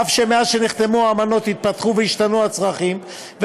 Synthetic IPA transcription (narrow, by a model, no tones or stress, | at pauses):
afʃemeaʃeniχt̪e̞muaːmano̞t̪hit̪̚pat̪χuvehiʃt̪anuat͡sʁaχim | ve